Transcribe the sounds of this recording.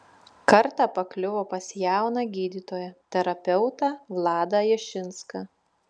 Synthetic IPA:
kɐɾt̪ɑːpɐklʲʊʋoːpɐsʲjæˑʊnɑɡʲiːd̪ʲiːt̪oːjɛt̪ʲɛɾɐpʲɛʊt̪ɑʋlˠɑːd̪ɐjɛʃʲɪnskɑ

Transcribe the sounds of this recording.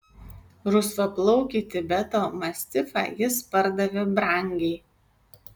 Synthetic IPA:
ɾʊsɐplˠɒʊkʲit̪ʲɪbʲɛt̪oːmɐsʲt̪ʲɪfɑ̰ːjɪspɐɾd̪ɐʋʲɛbɾɐˑŋʲɡʲɛɪ

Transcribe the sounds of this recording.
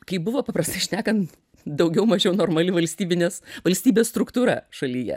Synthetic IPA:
kɐɪbʊʋoːpɐpɾɐsʲt̪ɐɪʃʲnʲæːkɐnt̪ | d̪ɐʊɡʲɛʊmɐʒʲɛʊnoːrmɐlʲɪʋɐlʲsʲt̪ʲiːbʲɪnʲeːsʋɐlʲsʲt̪ʲiːbʲeːsst̪ɾʊkt̪uːɾɑ̰ːʃɐlʲijɛ̰

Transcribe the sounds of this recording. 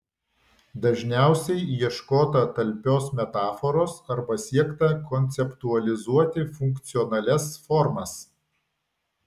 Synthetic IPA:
d̪ɐʒʲnʲæˑʊsʲɛɪjiɛʃkoːt̪ɐt̪ɐlʲpʲoːsmʲɛt̪ɑːfɔɾoːsɐɾbɐsʲiɛkt̪ɐkɔnʲt̪sʲɛpt̪uɐlʲɪzuɔt̪ʲɪfʊŋkt̪sʲɪɔnɐlʲɛsfɔɾmɐs

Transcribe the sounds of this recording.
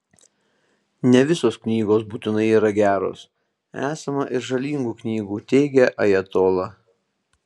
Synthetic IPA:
nʲɛʋʲɪsoːsknʲiːɡoːs̬buːt̪ʲɪnɐɪiːɾɐɡʲæːɾo̰ːs | æːsɐmɐʔɪɾʒɐlʲiːŋɡuːknʲiːɡuːt̪ʲɛɪɡʲɛʔɐjɛt̪oːlˠɑ

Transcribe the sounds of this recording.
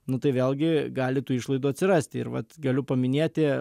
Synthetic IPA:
nʊt̪ɐɪʋʲeːlʲˠɡʲɪɡɑːlʲɪt̪uːɪʃlˠɐɪd̪uːɐt̪ʲsʲɪɾɑsʲt̪ʲɪɪ̰ɾʋɐ̰t̪ɡɐlʲʊpɐmʲɪnʲeːt̪ʲɪ

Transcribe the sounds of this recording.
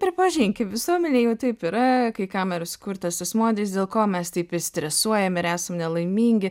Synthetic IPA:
pʲɾʲɪpɐʒʲiŋʲkʲɪʋʲɪsuɔmʲɛnʲeːjɛʊt̪ɐɪpiɾɐkɐɪkɑːmʲɛɾɐskʊɾt̪ɐsʲɪsmoːd̪ʲeɪs̬d̪ʲeːlˠkoːmʲɛst̪ɐɪpɪsʲt̪ʲɾʲɛsuɔjɛmɪɾæːsɐmnʲɛlˠɐɪmʲiːŋʲɡʲɪ

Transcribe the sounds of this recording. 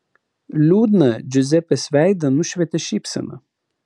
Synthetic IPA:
lʲuːd̪nɐd͡ʒozʲɛpɛsʲvʲæjd̪ɐnuʃvʲɛt̪ʲeʃipsɐ̰nɐ̰

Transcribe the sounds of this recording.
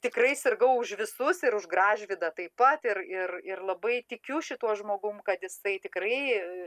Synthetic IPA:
t̪ʲɪkrɐɪsʲɪɾɡɐʊʊʃʋʲɪsʊsɪɾʊʒɡrɑːʒʲʋʲɪd̪ɐt̪ɐɪppɐt̪ɪrɪrɪrlˠɐbɐɪt̪ʲɪkʲʊʃʲɪt̪uɔʒmoːɡʊmkɐt̪jɪsɐɪt̪ʲɪkrɐɪ

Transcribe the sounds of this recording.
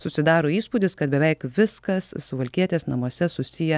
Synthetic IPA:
sʊsʲɪd̪ɑːɾoːiːspuːd̪ʲɪskɐt̪̚bʲɛʋʲɛɪkʋʲɪskɐssʋɐlʲkʲiɛt̪ʲeːsnɐmuɔsʲɛsʊsʲɪjɛ

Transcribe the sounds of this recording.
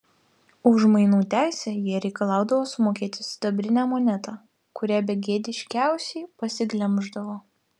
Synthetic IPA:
ʊʒmɐɪnuːt̪ʲæˑɪsʲæːjiɛɾʲɛɪkɐlˠɑˑʊd̪ɐʋoːsʊmoːkʲiːt̪ʲɪsd̪ɐbʲɾʲɪnʲæːmoːnʲɛt̪ɑ | kʊɾʲæːbʲɛɡʲeːd̪ʲɪʃʲkʲæˑʊsʲɛɪpɐsʲɪɡlʲɛmʒd̪ɐʋoː

